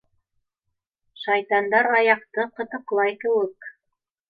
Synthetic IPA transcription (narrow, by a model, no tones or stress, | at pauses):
ʃɑjt̪ɑnd̪ɑɾɑjɑqt̪ɤqɤ̆t̪ɤ̆qlˠɑjkɘ̆wɘk